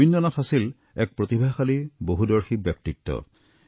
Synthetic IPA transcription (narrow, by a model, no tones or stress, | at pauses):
inːɔnatʰasil | ɛk̚pɹot̪ibʱaxaliboɦudɔɹxibjɔk̚tik̚tɔ̰